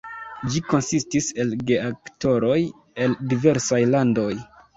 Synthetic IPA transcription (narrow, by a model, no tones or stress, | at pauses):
d͡ʒiko̞nsistise̞lɡe̞akto̞ɾo̞j | e̞ldive̞ɾsajlando̞j